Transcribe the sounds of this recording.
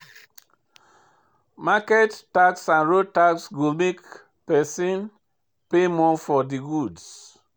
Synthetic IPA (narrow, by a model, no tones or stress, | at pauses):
makɛtːaksãnɹod̚taksɡumek | pɛsĩn | pemɔ̃fɔdiɡuds